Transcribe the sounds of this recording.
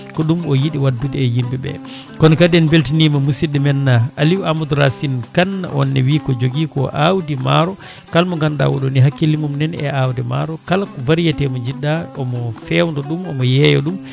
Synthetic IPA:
kɔɗumɔjiɗiwadːudɛːjimbɛbɛ̰ | kɔnkadɛnbeltinimamusidɛmɛnːaʔaliwamud̪uɾa̰sinkanːa̰ʔɔ̰nːɛ̰wiːkɔd͡ʒoɡiːkɔ̰ʔawdima̰ɾɔ | kalmɔŋɡanda̰wɔ̰ɗɔniɦakːilimumnɛnɛ̰awdɛma̰ɾɔkalakɔvaɾijatɛmɔd͡ʒiɗːaɔmɔfɛwndɔɗumɔmɔjɛjɔ̰ɗum

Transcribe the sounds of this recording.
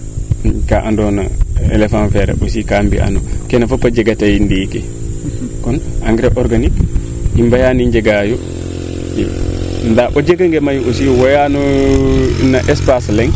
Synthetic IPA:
kaʔandɔnaḛlefanfɛɾa̰ɓosikambḭʔa̰nɔkɛnafapːad͡ʒeɡatajindike | kɔnaŋɡɾɛʔɔɾɡanik | imbajaniɲd͡ʒeɡajɔ | ɛ̰ | ndabod͡ʒeɡaŋɡɛmajosiwɔjanɔ | naʔɛspaslɛŋ

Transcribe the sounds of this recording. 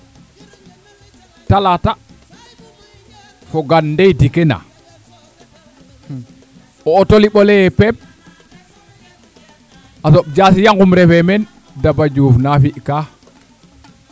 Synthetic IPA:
talata | fɔɡanːdɛjdikɛna̰ | ɔːtoliɓɔlɛjɛpɛp̚ | ʔasɔɓ̚d͡ʒasijaŋɡumɾɛfɛmɛn | dabad͡ʒufnafiʔka

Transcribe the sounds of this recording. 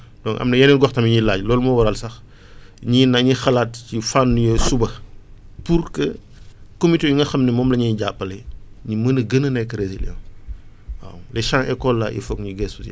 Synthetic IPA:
dɔŋʔɐ̰mnɐjɛnilɡɔxtɐmiɲilaːɟlɔːlumɐwɐɾɐlsɐx | ɲinɐɲixɐlaːtcifanːujɔsubɐ | purkə | komitejuŋɡɐxɐmnɛmɔːmlɐɲiɟapːɐlɐjɲimɐnəɡənɐnɛkːɐɾesilɛ̰w | wa̰wlɛʃaŋʔɛkɔlːaʔḭfɔkɲiɡɛsus

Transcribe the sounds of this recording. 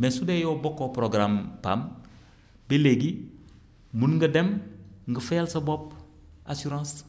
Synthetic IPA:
mesudejobokːopɾoɡɾampa̰m | beleɡi | munŋɡədemŋɡəfajalsɐbop̚ | asuɾãːs

